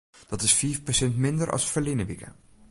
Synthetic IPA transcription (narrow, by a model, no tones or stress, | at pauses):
d̥ɑtɪsfiːfpəsɛntmɪndəɾʔɑ̰sfəlinəʋikə̰